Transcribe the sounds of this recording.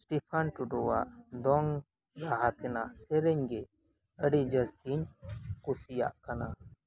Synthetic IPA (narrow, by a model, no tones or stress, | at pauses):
sʈipʰanʈuɖɔwaʔd̪ɔŋ | ɾaɦat̪ɛnasɛɾɛɲɡɛ | əɽid͡ʒəst̪iɲkusija̰ʔkana